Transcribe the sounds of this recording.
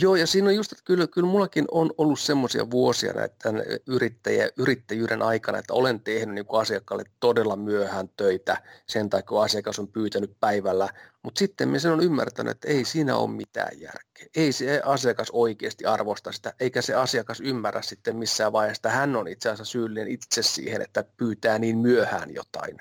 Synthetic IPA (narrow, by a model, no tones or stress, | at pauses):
joːjɑsiːnojust̪e̥t̪ːæ̥kylkylmulːɑkinonolːussemːosiɑ̰ʋuosiɑ̰nʔæ̰t̪t̪ænyrit̪ːæjæʔyrit̪ːæjyːɾenʔɑikɑnɑ̰et̪ːæolent̪ehnyniːŋkuɑsiɑkːɑlːet̪todelːɑmyøhæːnt̪øit̪æsent̪ɑikkuɑsiɑkɑsompyːt̪ænyppæiʋælːæmut̪sit̪ːemiesenonymːæ̰rt̪æny̰ḛt̪ːæeisiːnæ̰o̰ːmmit̪æ̰ːjjæ̰rke̥ːeiseɑsiɑkɑsoikeːst̪iɑrʋost̪ɑsi̥t̪æʔeikæseɑsiɑkɑsymːærːæ̰ssit̪ːemmisːæːʋʋɑihest̪ɑhænːonit̪seɑsːæsyːlːinenit̪sessḭːhḛnḛt̪ːæpyːt̪æːniːnmyøhæ̰ːnjo̰t̪ɑ̰in